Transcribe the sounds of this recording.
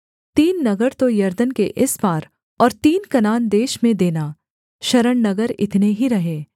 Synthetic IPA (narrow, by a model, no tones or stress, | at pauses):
t̪iːnːɐɡəɾt̪ojɐɾd̪ənkeʔɪsbaːɾ | ɔːɾt̪iːnkɐnaːnd̪eːʃmẽd̪eːnaː | ʃɐɾəɽnɐɡəɾɪ̰t̪neɦiɾɐɦeː